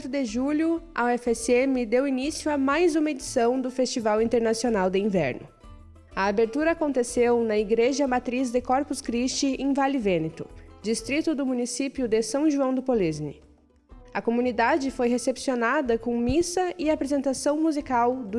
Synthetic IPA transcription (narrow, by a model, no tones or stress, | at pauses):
t̪ʊd̪eʒuʎʊɐɛfɛsemɪd̪ewinisjʊɐmajzũmɐed͡ʒisɐ̃w̃d̪ʊfest͡ʃivawĩnt̪eɾnasionawd̪ɪĩvɛ̰ɾnʊ̰ | ɐabeɾt̪uɾɐːkõnt̪esewnɐiɡɾeʒɐmat̪ɾizd̪ekɔɾpʊskɾist͡ʃɪẽj̃valɪvẽnet̪ʊ̰d͡ʒist̪ɾit̪ʊd̪ʊmunisipjʊd̪ɪsɐ̃w̃ʒuɐ̃w̃d̪ʊpoliznɪ̰ | ɐkomunid̪ad͡ʒɪfojɦesepsionad̪ɐkõmisɐɪapɾezẽnt̪asɐ̃w̃muzikawd̪ʊ